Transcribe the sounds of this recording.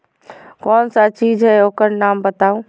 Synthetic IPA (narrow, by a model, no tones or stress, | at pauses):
kɔːnsat͡ʃiːzʱɦɛoːkəɾnaːmbəɐt̪aːũː